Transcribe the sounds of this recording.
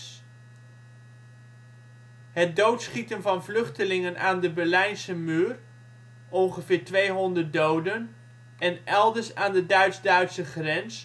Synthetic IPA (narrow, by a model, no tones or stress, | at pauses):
ɦət̚dowtsχitənvɑnvlɵχtəlɪŋənʔaːndəbɛɹlɛjnsəmyːr | ɔnχəvɪːɹtʋejɦɔndəɹt̚dowdən | ʔɛnʔɛlˠdəɹsaːndədœɥdzdœɥtsəχrɛns